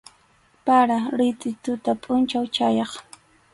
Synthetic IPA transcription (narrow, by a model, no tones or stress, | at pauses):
paɾaɾɪt̪ʼɪt̪ʊt̪apʼʊnt͡ʃawt͡ʃajɑχ